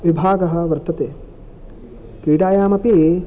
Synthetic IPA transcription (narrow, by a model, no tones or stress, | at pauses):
ʋibʱaːɡɐɦɐ̆ʋɐɾt̪ɐt̪eː | kɾiːɽaːjaːmɐpi